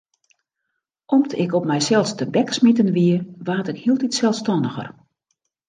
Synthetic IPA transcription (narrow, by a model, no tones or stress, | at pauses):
ʔɔmtɪkɔp̚mɛjsɛlˠstəbɛksmitənʋiəʋaːtɪkhiəlˠtitsɛlˠstɔnəxə̰r